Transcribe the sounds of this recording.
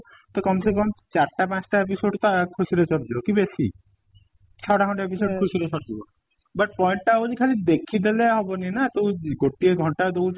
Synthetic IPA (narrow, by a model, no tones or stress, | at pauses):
t̪ɔkɔmsek̬ɔmt͡ʃaɾʈapãt͡ʃʈaepisoɖt̪ɔkʰusiɾet͡ʃɔɾd͡ʒibɔkibesḭ | t͡ʃʰɔʈaɡʱɔɳʈaepisokʰusiɾesɔɾd͡ʒibɔ | bʌʈ̚pɔjɳʈʈaud͡ʒikʰalid̪ekʰid̪eleɦɔbɔninat̪uɡoʈieɡʱɔɳʈad̪ou